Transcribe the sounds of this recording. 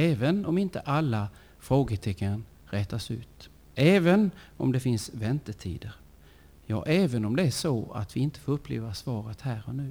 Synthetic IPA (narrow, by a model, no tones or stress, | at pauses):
ɛːvənɔmɪnt̪ə̰ʔalːa | fɾoːɡət̪ʰɛkːən | ɾɛːt̪asʉ̟̰ːt̪ | ɛːvənɔ̰md̪ɛfɪnsvɛnt̪ət̪ʰḭːd̪əɾ | jɑ̰ːʔɛːvənɔmd̪ɛæʂɔa̰t̪vɪɪnt̪ə̥foːɾɵpːlḛːvasvɑːɾət̪hæːɾɔnʉ̟ː